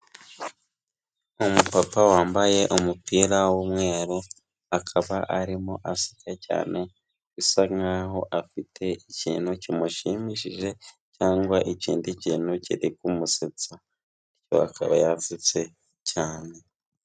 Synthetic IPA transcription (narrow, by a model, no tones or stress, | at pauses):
umupapawaːmbaje̞ʔumupiɾawomŋe̞ːɾo | akʰaβaʔaɾimoʔasi̥kaca̰ːnʔe̞ | ɡisaŋaɦo̞ʔafitʰe̞icḭːn̥hucimuʃimiʃiʒe̞ | caːŋɡwaʔiciːndiciːn̥huciɾikumuset͡sa | ico̞̰a̰kʰaβa̰javit͡se̞ | cʰaːne̞